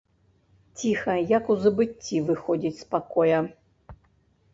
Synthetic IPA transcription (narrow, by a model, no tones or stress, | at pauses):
t͡sʲixɐjakuzɐbɨt͡sʲːivɨxɔd͡zʲit͡sʲspakɔjɐ